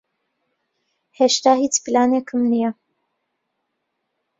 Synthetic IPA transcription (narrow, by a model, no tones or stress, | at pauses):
heʃt̪aːhiːt͡splaːneːkʰɨmnijɐ